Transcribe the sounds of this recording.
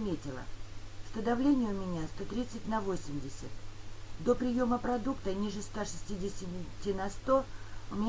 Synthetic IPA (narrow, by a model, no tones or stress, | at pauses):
mʲetʲɪlˠə̰ʂt̪od̪ɐvlʲenʲɪjəʊmʲɪnʲast̪o̞t̪ɾʲit̪sɨtʲnɐvo̞sʲɪmʲdʲɪsʲət̪d̪o̞pɾʲɪjo̞məpɾɐd̪ukt̪ənʲiʐɨst̪aʂɨ̥sʲtʲidʲɪsʲɪtʲinɐst̪o̞ʊmʲɪnʲ